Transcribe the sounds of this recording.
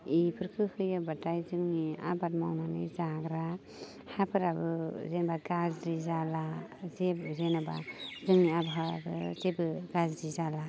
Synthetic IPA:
ipʰɯɾkʰɯhɯjabatajzɯŋnia̰bat̚mawnanɯ̰zaɡɾa | hapʰɯɾabɯzenbaɡazɾizalazezenaba̰zɯŋniabɦabɯzebɯɡazɾizala

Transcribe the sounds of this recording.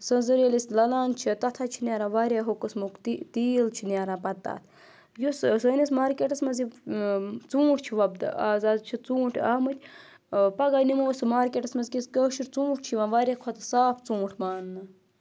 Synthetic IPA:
sɐnzɐɾelisʲlɐlaːnt͡ʃʰit̪ɐt̪ʰaːt͡ʃʰinʲaːɾãːʋaːɾʲaːɦokɐsmukt̪it̪iːlt͡ʃʰinʲaːɾãːpɐt̪ːa̰ːt̪ʰ | jussənʲismaːɾkʲeːʈɐsmɐzi | t͡sũːʈʰt͡ʃʰiʋɐbd̪̰aːzaːd̪t͡ʃʰit͡sũːʈʰaːmɐt̪ʲʰ | pɐɡaːjnimoːsmaːɾkʲeːʈɐsmɐzkiskəːʃiɾt͡sũːʈ̚ʰt͡ʃʰiʋaːʋaɾʲekʰot̪ʰsaːpʰt͡sũːʈʰmaːnːɐ

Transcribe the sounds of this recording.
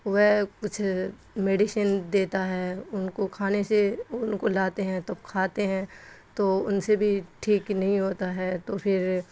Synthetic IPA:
ʋɛkʊt͡ʃʰ | meːɖɪʃənd̪eːt̪aɦɛʊnkokʰaːneseʊnkolaːt̪eɦɛ̃t̪ɐb̚kʰaːt̪eɦɛ̃ːt̪oːʊnsebʱiʈʰiːknɐɦĩɦoːt̪aɦɛːt̪opʰɪɾ

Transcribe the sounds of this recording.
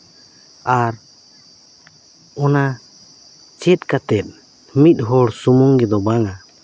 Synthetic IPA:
aɾ | ɔna | t͡ʃɛt̪̚kat̪ɛt̪̚ˀ | mit̪̚ˀɦɔɽsumɔŋɡɛd̪ɔbaŋa

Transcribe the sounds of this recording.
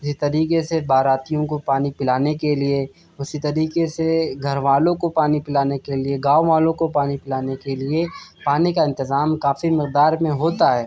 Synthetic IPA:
ɪsit̪ɐɾiːqesebaːɾaːt̪ijõkopaːnipɪlaːnekelie | ʊsit̪ɐɾiːqeseɡʱɐɾʋaːlõkopaːnipɪlaːnekelieɡaːʋoʋaːlõkopaːnipɪlaːnekeliepaːnekaɪ̃nt̪ɪzaːmkaːfimɪq̚d̪aːɾmẽɦoːt̪aɦɛː

